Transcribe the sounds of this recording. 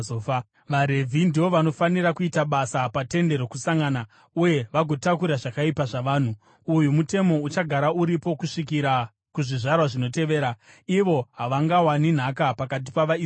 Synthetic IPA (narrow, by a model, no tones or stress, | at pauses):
of | ʋaɾe̞vʱindiʋo̞ʋano̞fanirakuitaɓasapate̞nde̞ɾo̞kusaŋɡana | uje̞ʋaɡʱo̞takuɾaʐakaipaʐaʋaːn̤u | ujumute̞mo̞ut͡ʃaɡʱaɾauɾipo̞kuʂik̬iɾa | kuʐiʐarwaʐino̞te̞ʋe̞ːɾa | iʋo̞ɦaʋaŋɡawanin̤akapakat̬i̥paʋai